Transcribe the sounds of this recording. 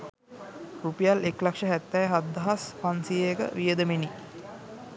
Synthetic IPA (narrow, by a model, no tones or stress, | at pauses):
rupijaleklakʂəɦæt̪ːɛjɦad̪ːaɦaspansijejkə̰ʋijəd̪əmeni